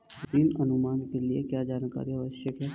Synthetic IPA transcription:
d̪inɐnʊmaːnkeliekjaːd͡ʒaːnka̰ːɾiaʋəʃjəkɦɛː

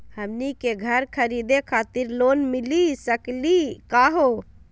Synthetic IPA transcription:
həmnikeɡʱəɾkʰəɾid̪ekʰat̪iɾlonmilisəklikaɦo

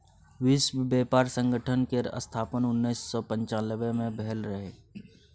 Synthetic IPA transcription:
wɪʃwbeːpaːɾsə̃ŋɡəʈʰənkeɾə̰st̪ʰaːpənʊnːiːsːɔːpə̃ɲt͡ʃaːləbemẽbɛɦɛlɾəɦeː

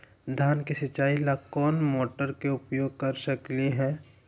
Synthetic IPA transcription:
d̪ʱjaːnkesɐt͡ʃaːilakɔːnmoːʈəɾkeʊpjoːɡ̚kɐɾsəkliɦɛː

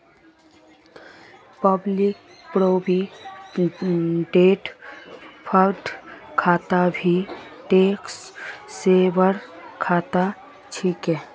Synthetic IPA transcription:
pəblɪk̚ | pɾoːbi | ɖeːʈ | pʰəkʈkʰaːt̪abʱiʈeːksseːbəɾkʰaːt̪a | t͡ʃʰiːkɛ̃ː

